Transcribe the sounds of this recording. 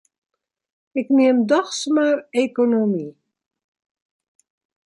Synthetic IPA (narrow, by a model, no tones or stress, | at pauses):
ɪknɪəmdɔxsmarekonomi